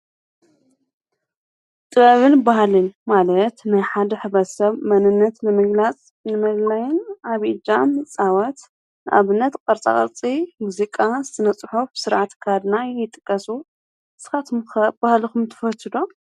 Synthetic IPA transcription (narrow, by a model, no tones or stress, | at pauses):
t̪ʼɨβɐβɨnbahlɨnmalɐt̪najħad̪ɐħɨβɐt̪sɐβmɐnɨnːɐt̪lɨmɨɡlat͡sʼ | nɨmɐllajɪnʔaβid͡ʒanɨt͡sʼawɐt̪ | nɨʔaβɨnːɐt̪kʼɐɾt͡sʼa̰kʼɐ̰ɾt͡sʼimuzikʼazt̪ʰɨnɐt͡sʼħufbsɨɾʕat̪kʰad̪najɪt̪ʼɨkʼːɐsu | sɨ̥xat̪ʰmxɐbahlixumt̪ʰɨ̥fɐt̪ʰɨd̪o